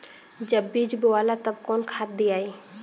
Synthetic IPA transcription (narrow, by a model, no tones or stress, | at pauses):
d͡ʒɐbːiːd͡ʒbʊaːlat̪ɐbkɔːnkʰaːt̪̚d̪iaːiː